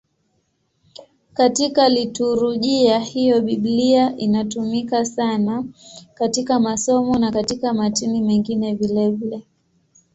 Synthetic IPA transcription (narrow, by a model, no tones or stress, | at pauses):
katikalituɾuʄiahijɔɓiɓliaʔinatumikasanakatikamasɔmɔnakatikamatimimɛŋɡinɛvilɛvilɛ